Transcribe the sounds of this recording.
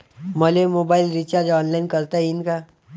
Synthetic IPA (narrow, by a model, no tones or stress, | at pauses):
mɐlemoːbaːɪlɾit͡ʃad͡ʒɔ̃ːnlaɪnkəɾt̪aɦɛɪnka